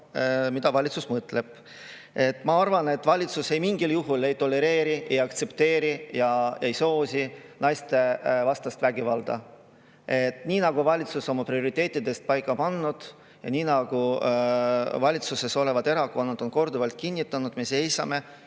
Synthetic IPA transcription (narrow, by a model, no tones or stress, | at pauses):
mid̪̥ɑvɑlʲit̪susmɤt̪leb̥ | e̞t̪ːˑmɑɑrvɑne̞t̪ːˑvɑlʲit̪suse̞jmiŋɡ̥iljuɦule̞jt̪o̞lːe̞ɾe̞ːɾie̞jɑkt̪se̞pt̪e̞ːɾijɑjɑejso̞ːsinɑjst̪e̞vɑst̪ɑst̪væɡivɑld̪̥ɑ̰ | e̞t̪niːnɑɡ̥uvɑlʲit̪suso̞mːɑpɾio̞ɾit̪ːˑe̞ːt̪ːˑid̪e̞st̪̚pɑjkˑːɑpɑnːud̪̥ | jɑ̰niːnɑɡ̥u | vɑlʲit̪suse̞so̞le̞vɑd̪e̞ɾɑkoːnud̪̥o̞nko̞rd̪uvɑlt̪̚kinʲːit̪ːˑɑnud̪me̞se̞jsɑ̰me̞